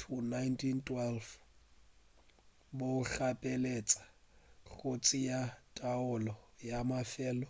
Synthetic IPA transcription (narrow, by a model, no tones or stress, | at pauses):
tʰunajntʰintʰʼwɛlf | boɬapʼɛlet͡sʼḁ | ɣot͡sʼijatʼaʊlɔjamafɛːlɔ